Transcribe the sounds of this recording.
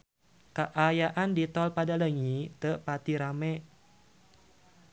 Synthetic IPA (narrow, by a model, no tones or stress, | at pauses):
kaʔajaʔandit̪ɔlpadaləŋit̪əpat̪iɾamɛ